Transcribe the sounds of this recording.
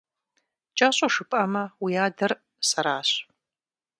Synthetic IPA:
t͡ʃʼaːɕʼoʂɨpʰʼʔɐmɐwijaːdɐr | sɐɾaːɕ

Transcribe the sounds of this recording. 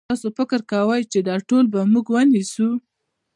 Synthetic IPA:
t̪ɑsofɪkəɾkawəjt͡ʃed̪ɑʈolbamuɡwənisu

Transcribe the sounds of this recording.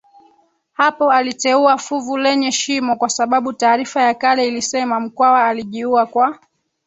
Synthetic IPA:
hapɔalitɛuafuvulɛɲɛʃimɔkwasaɓaɓutaːɾifajakalɛilisɛmam̩kwawaːliʄiuakwa

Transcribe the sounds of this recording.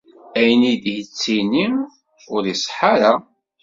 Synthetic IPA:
æjənidjət͡sːinim | ʊɾisˤħaɾa

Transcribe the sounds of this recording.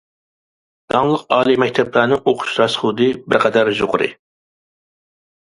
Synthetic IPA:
d̪̥ɑŋlˠəqɑːlˠimɛkʲt̪ʰɛplˠæɾnɨŋoqʰʊ̥ʃɾɑsχud̪ɨbɪɾqʰɛd̪æɾʒoʁʊɾɨ̰

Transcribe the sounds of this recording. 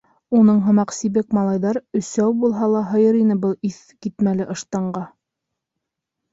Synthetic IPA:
unɤɴɦɤ̆mɑqsiβɘkmɑlˠɑjðɑɾɵ̆sæwbulˠɦɑlˠɑɦɤ̆jɤɾinɘbɤlˠiθ | kit̪mælɘʔɤ̆ʃt̪ɑɴɢɑ

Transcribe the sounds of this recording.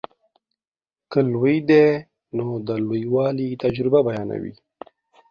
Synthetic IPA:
kəlwəjd̪e | nod̪əlwujwɑːlit̪ad͡ʒɾɪbabajɑːna̰wḭ

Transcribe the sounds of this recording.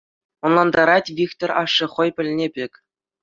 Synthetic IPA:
ŏnlˠɑnd̪ɑɾɑtʲvʲikt̪orɑʂːɤ̆χɤ̆jpʲɘ̆lʲnʲebʲekʲ

